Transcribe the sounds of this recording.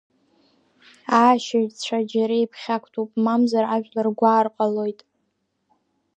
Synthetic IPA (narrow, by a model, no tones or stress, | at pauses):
aːʃaʒt͡ɕʷʰad͡ʒaɾajpʰχʲakʷʰtʰupʼmamzaɾaʒᶣlarɡʷaːrqʼalo̞jtʼ